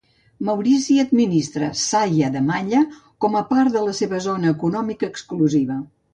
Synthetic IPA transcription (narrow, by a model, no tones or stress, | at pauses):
məwɾisiəd̪minist̪ɾəsajəðəmaɲə | kɔməpaɾðələseβəzonəːkunɔmikəːkskluziβə